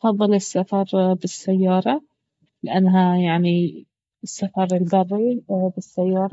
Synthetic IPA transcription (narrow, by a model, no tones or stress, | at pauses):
fɑðˤːɨlɪsːafɑɾˤbɪsːajːɑːɾˤɑ | lɪʔanːɦajaʕni | ɪsːafɑɾˤɪlbɑrˤːibɪsːajːɑːɾˤɑ